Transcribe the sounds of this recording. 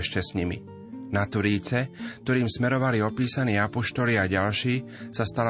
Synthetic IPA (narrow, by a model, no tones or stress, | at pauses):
ɛʃcɛsɲimḭ | nat̪ʋɾiːt͡sɛk̚t̪ɔɾiːmsmɛɾɔʋaliɔpiːsaniːapɔʃt̪ɔliaɟalʃiː | sast̪al